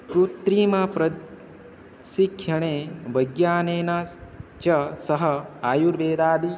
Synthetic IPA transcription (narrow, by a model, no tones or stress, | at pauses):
kɾut̪ɾiːmɐpɾɐ | sikʰjɐɽ̃eːʋɐɡjaːneːnat͡ʃɐsɐɦɐaːjuɾʋeːd̪aːd̪i